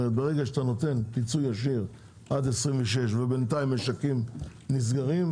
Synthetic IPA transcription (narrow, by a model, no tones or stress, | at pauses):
ebeʁeɡaʃt̪ano̞t̪e̞npit͡sujaʃ̬iʁ | ʔad̪esʁimveʃ̬e̞ʃvebent̪aimeʃakimnis̬ɡaʁim